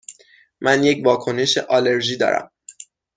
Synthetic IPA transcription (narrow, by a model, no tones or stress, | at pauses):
mʔænjecvɒːkʰo̞ne̞ʃeʔɒːle̞ɾʒiːd̪ɒ̰ːɾæ̰m